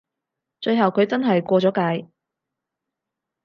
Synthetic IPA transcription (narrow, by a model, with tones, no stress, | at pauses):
t͡ʃɵ˧ɥɦɐ˨wkʰɵ˨˧ɥt͡sɐ˥nɦɐ˨jkʷɔː˧t͡sɔː˨˥kaː˧j